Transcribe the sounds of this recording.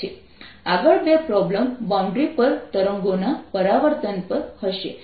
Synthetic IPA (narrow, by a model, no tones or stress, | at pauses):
e | aɡəɭbepɾɔbləmbãw̃ɳɖɾipəɾt̪əɾə̃ŋɡonapəɾaʋəɾt̪ənpəɾhəɕḛ